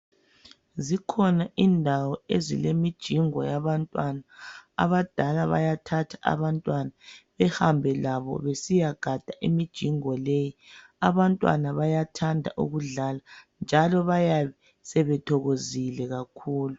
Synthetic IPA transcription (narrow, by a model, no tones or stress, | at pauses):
zikʰɔnaʔindʱawɔezilemid̥ʒ̥ʱiŋɔ̰jaβantʼwana̰ːβad̥ʱalaβa̰jatʰatʰḁʔa̰βantʼwanaβɛhambʱɛlaβɔ̰βesijaɡ̥ʱad̥ʱaʔimid̥ʒ̥ʱiŋɔleji | aβantʼwa̰naβajatʰandʱa̰ʔṵɣuɮala | nd͡ʒʱalɔβajaβɛ | sɛβɛtʰɔɣozilɛɣakʰuːlu